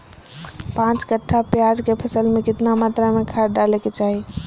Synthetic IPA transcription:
pãt͡ʃkəʈʰːapjad͡ʒkepʰəsəlmẽkɪt̪namat̪ɾamekʰaɖɖaleket͡ʃaɦi

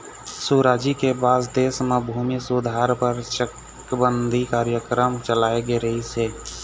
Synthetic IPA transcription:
suɾaːd͡ʒikebaːsd̪eːsmẽbʱuːmisud̪ʱaːɾpəɾʃək | bənd̪ʱikaːɾjəkɾəmt͡ʃəlaːeɡeɾəɦiseː

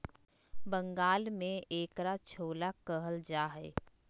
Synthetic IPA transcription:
bə̃ŋɡaːlmẽeːkɾat͡ʃʰoːlakəɦəld͡ʒaːɦɛː

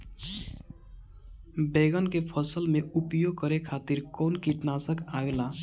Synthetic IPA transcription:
beɡənkepʰəsəlmeʔupjoɡ̚kəɾekʰat̪iɾkonkiʈnasəkaɡla

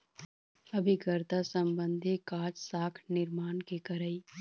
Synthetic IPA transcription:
ɐbʱikəɾt̪asə̃mbə̃nd̪ʱikaːd͡ʒsaːkʰnɪɾmaːnkekɐɾəi

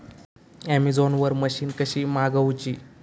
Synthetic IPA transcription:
ɛmid͡zonʋəɾməɕiːnkəɕiːmaɡəwt͡ɕiː

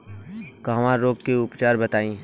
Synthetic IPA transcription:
kaʋãɾoːɡkeʊpt͡ʃaːɾbət̪aːĩː

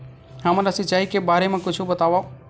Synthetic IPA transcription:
ɦəmlasɪt͡ʃaːɦikebaːɾemẽkʊt͡ʃʰubət̪aːʋa

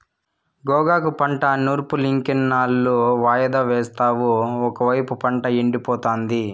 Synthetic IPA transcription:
ɡɔːɡaːk̬upɐɳʈɐnuːɾpuliŋkɐnːaːlːoːʋaːjɐd̪aːʋɛːst̪aːʋuɔkɐʋɐjpupɐɳʈɐeɳɖipɔːt̪aːnd̪i

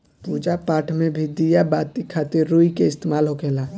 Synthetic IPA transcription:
puːd͡ʒapaːʈʰmẽbʱɪd̪ijabaːt̪ikʰaːt̪ɪɾːuikeɪst̪emaːlɦokɛːlaː

